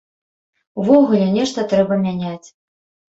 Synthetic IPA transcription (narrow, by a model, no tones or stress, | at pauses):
uvɔɣulʲɛnʲɛʂt̪ɐt̪ɾɛbɐmʲænʲat͡sʲ